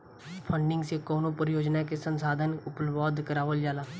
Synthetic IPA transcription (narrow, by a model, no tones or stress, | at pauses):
pʰə̃ɳɖɪ̃ŋɡsekɔːnopəɾɪjoːd͡ʒnakesə̃nsaːd̪ʱənʊplʋɔːd̪ʱkəɾaːʋəld͡ʒaːlaː